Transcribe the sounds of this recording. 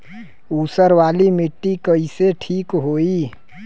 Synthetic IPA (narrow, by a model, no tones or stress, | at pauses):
uːsəɾwaːlimɪʈːikəiseʈʰiːkɦoːi